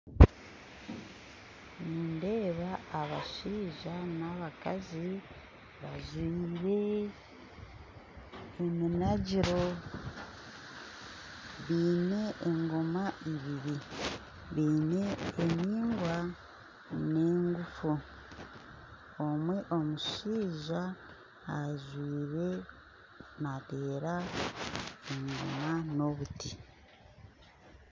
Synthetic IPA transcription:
niːndeːβaːβaʃiːʒanaβakazi | βazwiːɾe̞ | minaɟiɾo̞ | βiːne̞eŋɡo̞maiβiβi | βiːne̞ːmiːŋɡwa | ne̞ːŋɡufu | omwe̞ʔo̞muʃiːʒaː | zwiːɾe̞ | nate̞ːɾa | eŋɡo̰mano̞βuti̥

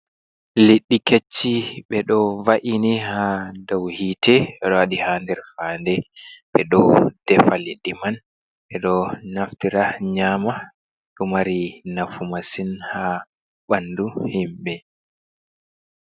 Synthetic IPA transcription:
liɗːiket͡ʃːiɓɛɗɔvaʔinihadawhitʰɛɛɗɔwaɗihandɛɾfaːndɛɓɛɗɔd̥ɛfaliɗːiman | ɓɛɗɔnaftiɾaɲaːma | ɗumaɾinafumasinha | ɓanduhimɓɛ

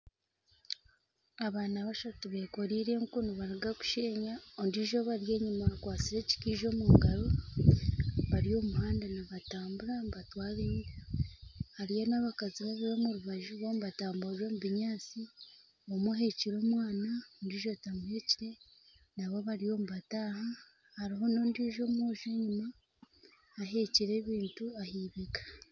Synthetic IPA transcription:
aβaːnaβaʃatuβekoɾiːɾe̞ŋkunuβaɾiɡaku̥ʃeːɲaondiʒo̞βaɾje̞ːɲimakwaːt͡siɾe̞ːci̥kiʒo̞muɡaɾo | βaɾio̞ːmuhaːndanaβataːmbuɾamβatwaːleɲ | haɾijonaβakaziβaβiβomuɾuβaʒuβomuβataːmbuɾɾo̞muβiɲaːt͡si | omuɦe̞ciɾo̞mwaːnandiʒo̞tamuhe̞ciɾe̞ | naβo̞βaɾijo̞ːmuβataːha | haɾiɦo̞no̞ːndiːʒo̞mwoːʒe̞ɲimaː | ɦe̞ciɾe̞ːβiːntuahiːβekḁ

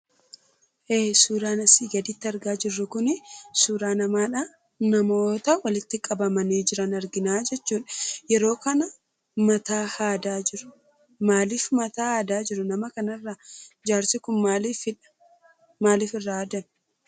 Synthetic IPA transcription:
ʔeːsuːɾaːnɐsiːɡɐd̪ɪt̪ːɪɐɾɡaːd͡ʒɪrːʊkʊnɪsuːɾaːnɐmaːᶑa | nɐmo̞ːt̪ɐwɐlɪt̪ːɪkʼɐbɐmɐneːd͡ʒɪɾɐnɐɾɡɪnaːd͡ʒɛt͡ʃːuːᶑɐ̥jɛɾo̞ːkɐnɐ | mɐt̪aːhaːd̪aːd͡ʒɪɾʊ̥ | maːliːfmɐt̪aːhaːd̪aːd͡ʒɪɾʊnɐmɐkɐnɐrːɐd͡ʒaːɾsɪkʊnmaːliːfɪᶑɐ̥ | maːliːfɪrːɐaːd̪ɐn

